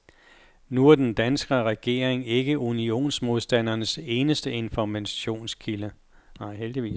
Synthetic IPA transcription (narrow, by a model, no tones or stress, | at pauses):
nuæɐd̥end̥ænsɡ̥ɐʁɛɡ̥e̝̰ːɐ̰eŋe̝ɡ̥əʔunio̝̰ːnsmo̝ðˠsd̥æn̰ɐnəse̝ːnəsd̥əe̝nfɒmæɕo̝̰ːnskʰilə | nɑ̈ɪ̰ɦeld̥iʋḭːs